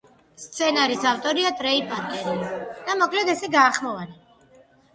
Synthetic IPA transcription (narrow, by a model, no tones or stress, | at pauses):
st̪sʰɛnaɾisaft̪ʼɔɾiat̪ʼɾɛipʼaɾt̪ʼiid̪̥amɔkʰlɛd̪ɛsɛɡaːχmɔvana